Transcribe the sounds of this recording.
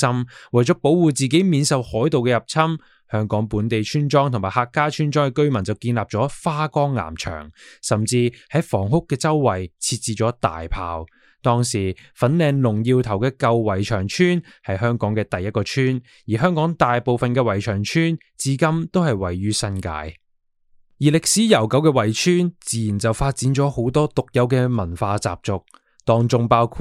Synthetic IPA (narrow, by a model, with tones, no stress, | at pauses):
sɐ˥mwɐ˨˩jt͡sɔː˨˥po˨˥wwuː˨t͡siː˨˩ke˨˥jmiː˨˧nsɐ˨˧whɔː˨˥jt̪o˨wkɛː˧jɐ˨˩p̚t͡sʰɐ˥m | hœː˥ŋkɔː˨˥ŋpuː˨˥nt̪e˨jt͡ʃʰyː˥nt͡ʃɔː˥ŋt̪ʰʊ˨˩ŋmaː˨˩haː˧kːaː˥t͡ʃʰyː˥nt͡ʃɔː˥ŋkɛ˧kɵ˥ɥmɐ˨˩nt͡sɐ˨wkiː˧nlaː˨p̚t͡sɔː˨˥faː˥kɔː˥ŋːa̰ː˨˩mt͡ʃʰœ̰ː˨˩ŋsɐ˨mt͡siː˧hɐ˨˥jfɔ̰ː˨˩ŋhʊ˥kːɛː˧t͡sɐ˥wːɐ˨˩jt͡sʰiː˧t̚t͡siː˨t͡ʃɔː˨˥t̪a̰ː˨jpʰa̰ː˨w | t̪ɔː˥ŋsiː˨˩fɐ˨˥nlɛː˨˧ŋlʊ˨˩ŋjiː˧wt̪ʰɐ˨˩wkɛː˧kɐ˧wːɐ˨˩jt͡ʃʰœː˨˩ŋt͡ʃʰyː˥n | hɐ˨jɦœː˥ŋkɔː˨˥ŋkɛː˧t̪ɐ˨jːɐ˥t̚kɔː˧t͡ʃʰyː˥n | jiː˨˩ɦœː˥ŋkɔː˨˥ŋt̪aː˨jpo˨wfɐ˨nkɛː˧wɐ˨˩jt͡ʃʰœː˨˩ŋt͡ʃʰyː˥n | t͡siː˨˥kɐ˥mt̪o˥whɐ˨jwɐ˨˩jːyː˥sɐ˥nka̰ː˧j | jiː˨˩lɪ˨k̚siː˨˥jɐ˨˩wkɐ˨˥wkɛː˧wɐ˨˩jt͡ʃʰyː˥nt͡siː˨jiː˨˩nt͡sɐ˨wfaː˧t̚t͡siː˨˥nt͡ʃɔː˨˥ho˨˥wt̪ɔː˥t̪ʊ˨k̚jɐ˨˥wkɛː˧mɐ˨˩nfaː˧t͡sa̰ː˨p̚t͡sʊ˨k̚ | t̪ɔː˧ŋt͡sʊ˧ŋpaː˥wkʰu˧